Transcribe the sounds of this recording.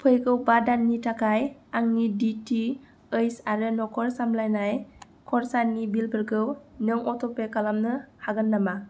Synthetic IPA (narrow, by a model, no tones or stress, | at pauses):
pʰɯjɡɯwbadanːitʰakʰajaŋniditi | ɯjsaɾɯnɔkʰɔɾsamlajnaj | kʰɔɾsanːibilbɯɾɡɯwnɯŋɔtʰɔpekalamnɯhaɡɯnːama